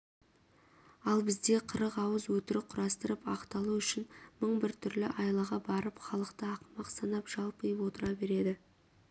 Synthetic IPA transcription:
ɑlˠbɪzd̪e̞qʰəɾəqɑwəzwɵt̪ɪɾɪp̚qʰʊɾɑst̪əɾəpɑqt̪ɑlˠuʏʃɪnməɴbɪɾt̪ʰʏɾlɪʔɑjlˠɑʁɑbɑɾəpχɑlˠəqt̪əɑqmɑqsɑnɑpʒ̥ɑlˠpəjəpwo̞t̪əɾɑbe̞ɾe̞d̪ɪ

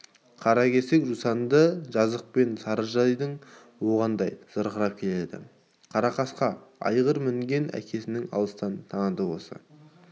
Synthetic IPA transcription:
qʰɑɾɑkʲʰe̞se̞kʒusɑnd̪əʒɑzəq̚pe̞nsɑɾəɾʒɑijd̪əɴ | wo̞ʁɑnd̪ɑjz̥əɾqəɾɑp̚kʲʰe̞le̞d̪ɪ̰ | qʰɑɾɑqɑsqɑɑ̰jʁəɾmɪŋɡʲe̞nʔæ̰kʲʰe̞sɪnɪŋɑ̰lˠəst̪ɑnt̪ʰɑɴəd̪əwo̞̰sə̰

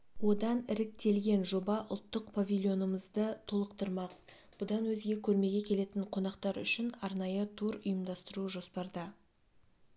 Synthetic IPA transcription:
wo̞d̪ɑnɪɾɪk̚t̪e̞lɡʲe̞nʒo̞bɑʔʊlˠt̪ːəq̚pʰovʲilʲˠjo̞nəməzd̪ət̪ʰo̞lˠəqt̪əɾmɑq̚ | b̥ʊd̪ɑnwɵzɡʲe̞kʲʰɵɾme̞ɡʲe̞kʲʰe̞le̞t̪ɪɴqʰo̞nɑqt̪ɑɾʏ̰ʃɪnɑɾnɑjət̪ʰuɾʊjəmd̪ɑst̪əɾuʒo̞spɑɾd̪ə

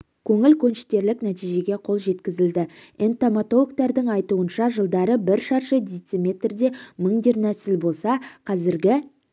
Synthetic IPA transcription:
kʲʰɵŋɪlkʲʰɵnʃɪ̥t̪e̞ɾlɪknæt̪ijʒe̞ɡʲe̞qʰo̞lˠʒe̞t̪kʲɪzɪld̪ɪent̪omat̪o̞lˠok̚t̪ɑɾd̪ɪŋɑjt̪uənʃɑʒəlˠd̪ɑɾəbɪɾʃɑɾʃəd̪ijt̪semʲe̞t̪rd̪e̞məɴd̪eɾnæsɪlbo̞lˠsɑqʰɑzɪɾɡʲɪ

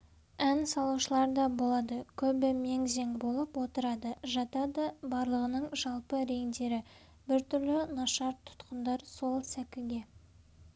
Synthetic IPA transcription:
ænsɑlˠuwʃəlˠɑɾd̪ɑbo̞lˠɑd̪əkʲʰɵbɪme̞ŋze̞ŋbo̞lˠəpwo̞t̪əɾɑd̪əʒɑt̪ɑd̪əbɑɾlˠəʁənəɴʒɑlˠpəɾe̞ŋd̪e̞ɾɪ | bɪɾt̪ʰʏɾlɪnɑʃɑɾt̪ʰʊ̥t̪qənd̪ɑɾso̞lˠsækʲɪlɡʲe̞

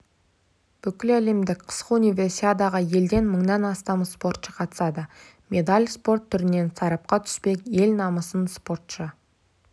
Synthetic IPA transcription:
b̥ʏkʲɪlæle̞md̪ɪkqʰə̥sqəunijvʲe̞rsiad̪ɑʁəje̞ld̪e̞nməɴnɑnɑst̪ɑmspo̞rt̪ʃəqʰɑt̪ə̥sɑd̪ə | mʲʔe̞d̪alʲspo̞rt̪ʰːʏɾɪne̞nsɑɾɑp̚qɑt̪ʰʏ̥spe̞kʲje̞lnɑməsənspo̞rt̪ʃə

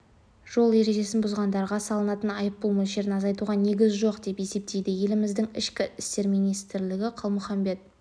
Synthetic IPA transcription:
ʒ̥o̞lˠe̞ɾe̞ʒe̞sɪnbʊzʁɑnd̪ɑɾʁɑsɑlˠənɑt̪ənɑjəp̚ːulˠmɵzʒe̞ɾɪnɑzɑjt̪uʁɑne̞ɡʲɪzʒo̞qd̪e̞pe̞se̞p̚t̪e̞jd̪ɪje̞lɪmɪzd̪ɪŋɪʃkʲɪʔɪst̪e̞ɾmijnijst̪ɪɾlɪɡʲɪqʰəlˠmʊχɑmbe̞t̪̚

